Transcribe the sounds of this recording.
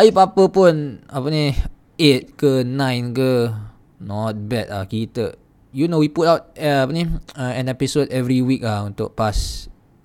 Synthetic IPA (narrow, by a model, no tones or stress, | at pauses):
ʔaipapəpũnapənĩ | et̚kənãj̃nkə | nɔt̚bɛt̚a̰kitəʔ̚ | junowiputawt̚ɛapənĩaɛ̃nɛpisodɛvɹiwik̚aũnt̪ʊʔ̚pas